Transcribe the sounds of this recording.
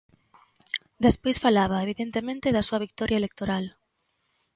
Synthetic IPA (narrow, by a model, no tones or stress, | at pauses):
d̪espojsfalaβ̞ɐeβ̞iðent̪emẽnt̪eðɐsuɐβik̚t̪ɔɾʔjɐelek̚t̪oɾal